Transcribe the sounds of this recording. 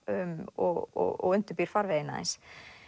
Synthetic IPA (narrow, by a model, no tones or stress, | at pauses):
ʏmɔɣɔ̰ɣɔ̰ɣʏnt̪ʏɾpiɾ̥faɾvɛjɪna̰ðɛ̰ns